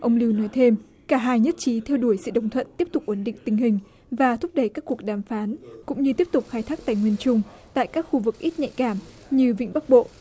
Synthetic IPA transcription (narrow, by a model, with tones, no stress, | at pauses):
ʔə˧wŋ͡mli˧wnɔ˨˦jt̪ʰe˧m | kaː˧˩ɦaː˧jɲə˦˥t̚t͡ɕi˨˦t̪ʰɛ˧wɗu˧˩əjsɨ̰˧˨ɗə̰˧˩wŋ͡mt̪ʰwə̰˧˨nt̪i˦˥əp̚t̪ʊ˨˩k͡p̚ʔə˨˧˩nɗḭ˧˨ŋ̟t̪ï˧˩ŋ̟ɦï˨˩ŋ̟ | vaː˨˩t̪ʰʊ˦˥p̚ɗə˧˩jkaː˦˥kːu˨˩ək̚ɗaː˨˩mfaː˨˦nkʊ̰˧˥ŋ͡mɲɨ˧t̪i˦˥əp̚t̪ʊ˨˩k͡p̚xaː˧jt̪ʰaː˦˥k̚t̪a̰ː˧˨jŋwi˧ənt͡ɕʊ˧ŋ͡mt̪a̰ː˧˨jkaː˦˥k̚xu˧vɨ˨˩k̚ʔi˦˥t̚ɲa̰˧˨jkaː˧˩m | ɲɨ˧vḭ̈˧˨ŋ̟ɓa˦˥k̚ɓo̰˧˨ʔ